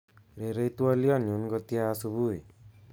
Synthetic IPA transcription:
ɾeɾejt̪uɔliɔnjunɡɔt̪ijasubuj

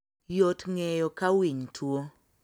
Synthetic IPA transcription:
jotŋɛjɔkawiɲtʰwo

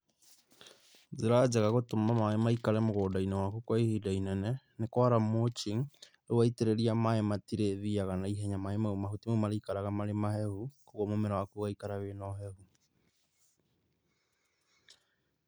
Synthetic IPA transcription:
zeɾad͡ʒaɣaɣotomamaemaikaɾɛmoɣoːdainɛwakukwaihidainɛnɛ | nekwaɾamot͡ʃiŋ | ɾowaiteɾeɾiamaematiɾeðiaɣanaiɦɛɲamaemaumaɦutimomaɾaikaɾaɣamaɾemahɛhukoɣɔmomɛɾawakuɣaikaɾawenɔɦɛhu

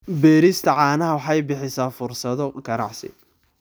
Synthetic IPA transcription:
bɛːɾɪst̪ʰɐʕɑːnɐɦɐwɑħɑjbɪħɪsaːfʊrsɐðɔɡɐnɑ̰ʕsɪ̰

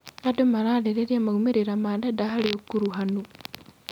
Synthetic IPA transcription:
adomaɾaleɾeɾiamaɡumeɾiɾamadadaɦaliokːuɾuɦanu

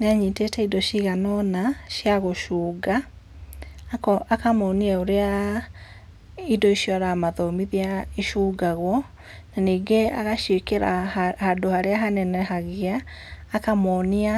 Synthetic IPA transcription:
neaɲiːtetɛidɔʃiɣanɔnaʃjaɣoʃuːɡa | akamɔniɛoɾea | idɔiʃjɔaɾamaðɔmiðiaeʃuːɡaɣwɔ | naniːɡeaɣaʃekeɾa̰hadohaɾeaɦanɛnɛɦaɣeaːkamɔnia

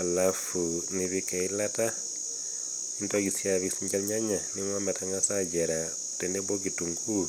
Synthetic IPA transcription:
alafuniβikailata | intakisjaβisiɲd͡ʒelɲaɲaniŋwamataŋasaɟeɾa | tɛndebokituŋɡu

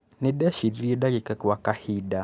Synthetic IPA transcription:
niɗɛʃiɾiɾiɛdakikakiwakahida

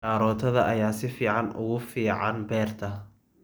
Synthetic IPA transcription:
aːɾɔːt̪ʰɐðɐʔɐjaːsɪfiːʕɑnʔʊ̰ɣʊfiːʕɑnbɛːrt̪ʰɐ

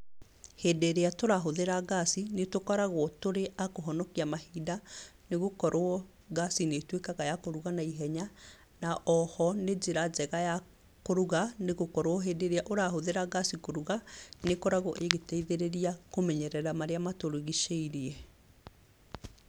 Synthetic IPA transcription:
heːdeɾeatoɾaɦoðeɾaɣasinetokɔɾaɣwɔtoɾeʔakoɦɔnɔkiamahiːdaneɣokɔɾʔoɔ | ɡasinetwekaɣajakoɾuɣanaiɦɛɲa | naʔɔhɔned͡ʒeɾazɛɣaja | koɾuɣaneɣokɔɾwɔɦeːdeɾeaʔoɾaɦoðeɾaɡasikoɾuɣanekɔɾaɣɔʔeɣetɛiðeɾeɾiakomɛɲɛɾɛɾamaɾeamatoɾoɣiʃeiɾeɛ

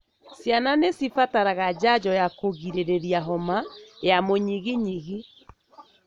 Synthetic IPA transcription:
sjananesifataɾaɣad͡ʒad͡ʑɔjakoɣiɾeɾeɾiaɦɔmajamoɲiɣiɲiɣi

